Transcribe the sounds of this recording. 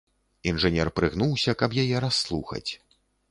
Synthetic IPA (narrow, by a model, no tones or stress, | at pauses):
inʐɨnʲɛrpɾɨɣn̪uwsʲɐkɐpjajɛɾasːlˠuxɐ̰t͡sʲ